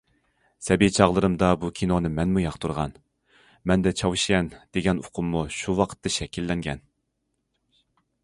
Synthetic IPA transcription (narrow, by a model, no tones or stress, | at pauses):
sɛbit͡ʃʰɑʁlˠɨɾɨmd̪ɑbukʲʰinonɨmɛnmujɑχt̪uɾʁɑ̰n | mɛnd̪ɛt͡ʃʰɑwʃijɛnd̪̥eɡʲɛnoqʰʊmːuʃuwɑqʰə̥t̪ːɨʃɛkʲʰilːɛŋɡʲɛ̰n